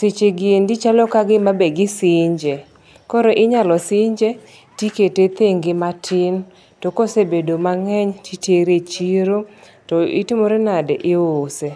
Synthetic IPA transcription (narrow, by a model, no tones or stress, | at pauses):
sɪt͡ʃeɡɪendit͡ʃalɔkaɡɪmabeɡɪsɪɲd͡ʒe | kɔɾoʔɪɲalɔsɪɲd͡ʒe | tiketet̪eŋɡɪmatʰɪn | tokosebedomaŋɛɲtʰiteɾet͡ʃiɾo | tɔɪ̰tɪmoɾenadɛʔɪose